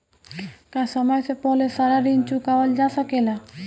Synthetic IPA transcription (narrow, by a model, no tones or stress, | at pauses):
kasɔmɔjsepɔlesaɾaɾint͡ʃukawald͡ʒasʰakela